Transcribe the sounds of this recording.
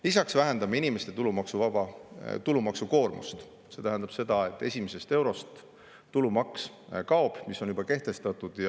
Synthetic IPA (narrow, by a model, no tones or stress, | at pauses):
lisɑksvæɦe̞nd̪ɑmeinime̞st̪e̞t̪ulumɑksuvɑbɑt̪ulumɑksuko̞ːrmṵst̪ | se̞t̪æɦɛnd̪ɑb̥se̞d̪̥ɑe̞t̪ːˑe̞sʲimese̞st̪e̞wɾo̞st̪ː | ulumɑks | kɑob̥misːo̞njub̥ɑke̞ht̪e̞st̪ɑt̪ːˑud̪̥jɑ